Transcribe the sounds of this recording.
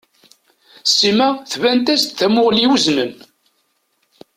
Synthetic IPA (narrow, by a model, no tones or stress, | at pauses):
sːimæθvænt̪æst̪θæmʊʁliwəzməm